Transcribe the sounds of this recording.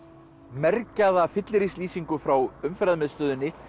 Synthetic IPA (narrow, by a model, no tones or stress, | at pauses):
mɛɾcaðafɪt̪lɾisliːsiŋkʏfɾawʏmfɛɾaðmɛðst̪œːðʏnːɪ